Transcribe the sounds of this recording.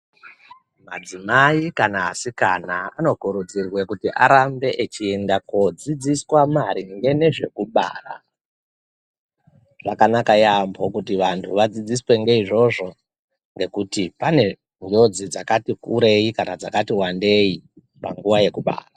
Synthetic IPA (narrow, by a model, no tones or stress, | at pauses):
mad͡zimaikanaːsikanaano̞kuɾud͡zirwe̞kutiʔaɾambe̞ʔet͡ʃiendakod͡zid͡ziswamaɾiŋɡe̞ne̞ʐe̞kuɓa̰ra̰ | ʐ̥akanakajambokutiʋantʰuʋad͡zid͡ziswe̞ŋɡe̞iʐo̞ʐo̞ | ŋɡe̞kutipane̞ | ɲd͡ʒo̞d͡zid͡zakatikuɾe̞ikanad͡zakatiwande̞i | pa̰ŋɡuwaje̞kuɓa̰ːra